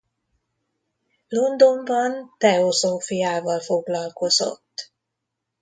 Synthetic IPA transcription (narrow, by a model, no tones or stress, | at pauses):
lo̞nd̪o̞mbɒnt̪ɛozoːfujaːvɒlfo̞ɡlɒlko̞zo̞̰t̪ː